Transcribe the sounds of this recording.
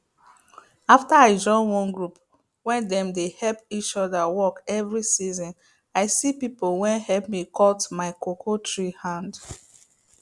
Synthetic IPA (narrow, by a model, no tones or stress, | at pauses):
aftaaɪd͡ʒɔ̃ɪ̃nwɔ̃nɡɹup | wɛ̃ndɛ̃mdehɛlpit͡ʃɔdawɔkɛvɹisizɔ̃n | aɪsipipolwɛ̃nhɛlp̚mikɔtmaɪkokʰotʰɹihãnd